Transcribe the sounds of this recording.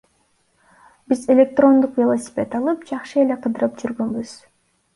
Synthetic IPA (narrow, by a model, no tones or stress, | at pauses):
bizelʲe̞k̚t̪ro̞nd̪uqvʲelˠosʲɪ̥pʲe̞t̪ɑlˠɯpd͡ʒɑqʃɯe̞le̞qʰɯd̪ɯɾɯpd͡ʒyɾɡønbyz̥